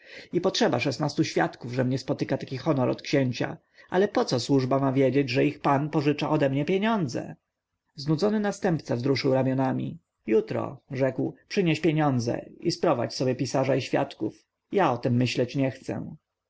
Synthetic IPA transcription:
ipɔtʂɛbaʂɛsnast̪uɕfʲjat̪kuvʐɛmɲɛspɔt̪ɘkat̪akʲixɔnɔɾɔ̰t̪kɕeɲt͡ɕa̰ | ʔalɛpɔt̪sɔswuʐbamavʲjed͡ʑed͡ʑʐɛixpanpɔʐɘt͡ʂaʔɔd̪ɛmɲɛpʲjeɲɔnd̪zɛ̰ | znud̪zɔnɘnast̪ɛmpt̪savzɾuʂɘwɾamʲjɔnamʲḭ | jut̪ɾɔ̰ʐɛkwpʂɘɲeɕpʲjeɲɔnd̪zɛ̰ḭspɾɔva̰t͡ɕsɔbʲjɛpʲisaʐaiɕfʲja̰t̪kuf | jaɔt̪ɛmːɘɕlɛt͡ɕɲɛxt̪sɛ̰

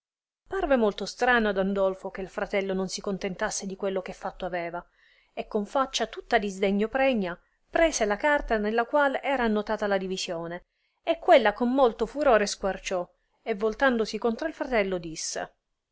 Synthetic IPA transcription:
parvemolt̪ost̪ɾaːnoad̪and̪olfok̟eilfɾat̪ɛlːononsikont̪ent̪asːed̪ikwelːokefːat̪ːoavɛːva | ekːoɱfat͡ʃːat̪ut̪ːad̪izd̪eɲːopɾɛɲːa | pɾɛːselakart̪anelːakwalɛːɾaːnːot̪aːt̪alad̪ivizjoːne | ekːwelːakomːolt̪ofuɾoːɾeskwart͡ʃɔ | evːolt̪and̪osikont̪ɾoilfɾat̪ɛlːod̪isːḛ

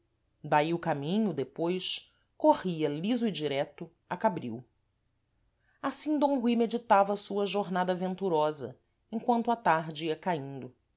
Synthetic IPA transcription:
d̪aiʊkamĩɲʊd̪epojʃ | koʁiɐlizʊid͡ʒiɾɛt̪ʊ | akabɾḭw | asĩd̪õw̃ɦuijmed͡ʒit̪avɐsuɐʒoɾnad̪ɐvẽnt̪uɾɔzɐ̰ | ẽŋ̃kwɐ̃nt̪ʊat̪aɾd͡ʒɪiɐkaĩnd̪ʊ

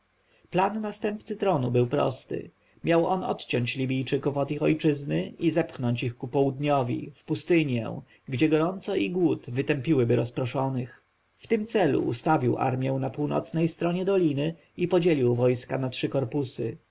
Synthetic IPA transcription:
planːast̪ɛmpt̪sɘt̪ɾɔnubɘwpɾɔ̰st̪ɘ̰ | mʲjawʔɔnɔ̰t̪t͡ɕɔɲt͡ɕlʲibʲijt͡ʂɘkufɔd̪ixɔjt͡ʂɘznɘizɛpxnɔɲt͡ɕixkupɔwud̪ɲɔvʲḭfpust̪ɘɲjɛ̰̃ | ɡd͡ʑɛɡɔɾɔnt̪sɔiɡwut̪vɘt̪ɛmpʲiwɘbɘɾɔspɾɔʂɔnɘx | ft̪ɘmt̪sɛlṵʔːst̪avʲiwʔa̰ɾmʲjɛw̃napuwnɔ̰t̪snɛjst̪ɾɔɲɛd̪ɔlʲinɘ | ipɔd͡ʑelʲiwvɔjskanatʂɘkɔɾpusɘ

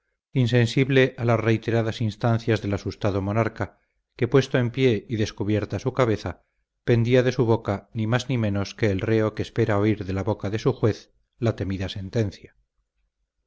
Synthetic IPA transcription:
inse̞nsiβle̞ʔalasre̞jt̪e̞ɾaðasinst̪anθjazðe̞lasust̪aðomo̞naɾka | ke̞pwe̞st̪o̞e̞mpje̞iðe̞skuβje̞ɾt̪asukaβ̞e̞θa | pe̞nd̪iaðe̞suβ̞o̞kanimaznimẽ̞no̞ske̞ːlreo̞ke̞ːspe̞ɾao̞iɾðe̞laβo̞kaðe̞suxwe̞θ | lat̪e̞miðase̞nt̪e̞nθja

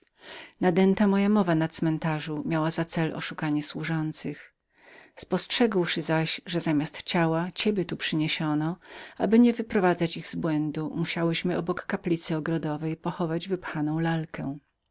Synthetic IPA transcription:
nad̪ɛnt̪amɔjamɔvanat̪smɛnt̪aʐumʲjawazat̪sɛlʔɔ̰ʂukaɲɛswuʐɔnt̪sɘx | spɔstʂɛɡwʂɘzaɕʐɛzamʲast̪t͡ɕawat͡ɕɛbʲjɛt̪upʂɘɲeɕɔnɔabɘɲɛvɘpɾɔvad̪zat͡ɕiɣzbwɛnd̪umuɕawɘɕmɘɔbɔkːaplʲit̪sɘɔɡɾɔd̪ɔvɛjpɔxɔvad͡ʑvɘpxanɔ̃w̃lalkʰɛ

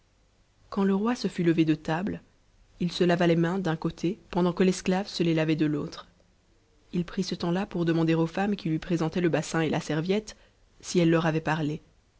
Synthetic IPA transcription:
kɑ̃ləʁwasəfyləved̪ət̪abl | ilsəlavalemɛ̃d̪ɛ̃kot̪ʰepɑ̃d̪ɑ̃kəlɛsklavsəlelavɛd̪əlot̪χ | ilpχisət̪ɑ̃lapuʁd̪əmɑ̃d̪eʁofamkʲilɥipχezɑ̃t̪ɛləbasɛ̃elasɛʁvjɛt̪ | siɛlːœʁavɛpaʁle

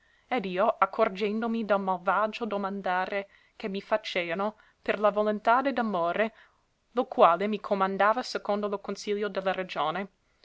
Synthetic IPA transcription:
ɛd̪iːoʔakʰːord͡ʒɛnd̪omid̪almalvad͡ʒod̪omand̪aːɾe | kemːifat͡ʃeːvano | perlavolont̪aːd̪ed̪amoːɾe | lokwaːlemikʰomand̪aːvasekond̪olokonsiʎːod̪elːaɾed͡ʒoːne

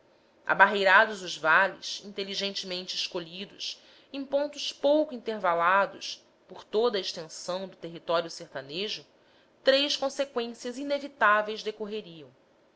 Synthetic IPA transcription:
a̰baɦejɾad̪ʊzʊzvalḭsĩnt̪eliʒẽnt͡ʃɪmẽnt͡ʃɪːʃkoʎid̪ʊs | ẽpõnt̪ʊspowkʊĩnt̪eɾvalad̪ʊs | poɾt̪od̪ɐeʃt̪ẽsɐ̃w̃d̪ʊt̪eɦit̪ɔɾjʊseht̪aneʒʊ | t̪ɾejskõsekwẽsiɐzinevit̪avejzd̪ekoɦeɾiɐ̃w̃

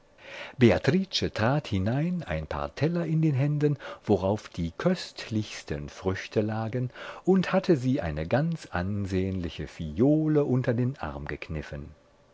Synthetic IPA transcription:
b̥eatʁ̥it͡ʃətʁ̥aːthɪnaɪna̰ɪnpʰa̰ːɐtʰɛlɐɪndeːnɦɛndənv̥oʁaʊfd̥iːkʰœstʰlɪçstənfʁ̥ʏçtʰəlaːɡənʔʊnthatʰəziːʔa̰ɪnəɡant͡sʔa̰nzeːənlɪçəfijoːləʔʊntɐdeːnʔa̰ɐmɡəkʰnɪfən

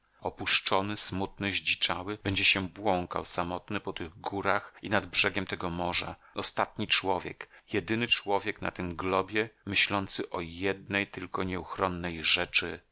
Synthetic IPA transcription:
ɔpuʂt͡ʂɔnɘsmut̪̚nɘʑd͡ʑit͡ʂawɘb̥ɛɲd͡ʑɛɕɛbwɔŋka̰wsamɔt̪nɘpɔt̪ɘɣɡuɾaxinad̪bʐɛɡʲɛmt̪ɛɡɔmɔʐa̰ | ɔst̪at̪ɲit͡ʂwɔvʲjɛkjɛd̪ɘnɘt͡ʂwɔvʲjɛkna̰t̪ɘmɡlɔbʲjɛmɘɕlɔnt̪sɘʔɔjɛd̪nɛjt̪ɘlkɔɲɛuxɾɔnːɛjʐɛt͡ʂɘ

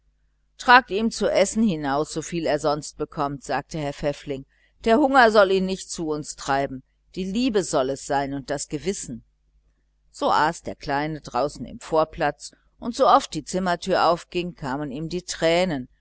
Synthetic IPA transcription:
tʁ̥aːk̚tiːmt͡suʔɛsn̩hɪnaʊsz̥ofiːleːɐzɔnst̚b̥əkʰɔmtz̥aːk̚təhɛːɐfɛflɪŋ | d̥eːɐhʊŋɐzɔliːnnɪçt̚t͡suʊnstʁ̥aɪbm̩ | d̥iːliːbəzɔlɛsz̥aɪnʊnt̚d̥asɡ̥əvɪsn̩ | z̥oːʔaːsd̥eːɐkl̥aɪnədʁaʊsn̩ɪ̰mfoːɐpl̥at͡s | ʔʊntz̥oʔɔft̚d̥iːt͡sɪmɐtʰyːɐʔaʊfɡ̥ɪŋkʰaːməniːmdiːtʁ̥ɛːnən

